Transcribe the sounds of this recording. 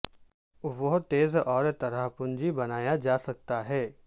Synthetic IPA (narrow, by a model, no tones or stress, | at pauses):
ʋoɦt̪eːzɔːɾt̪ɐɾaɦpʊ̃nd͡ʒibɐnaːjad͡ʒaːsɐk̚t̪aɦɛː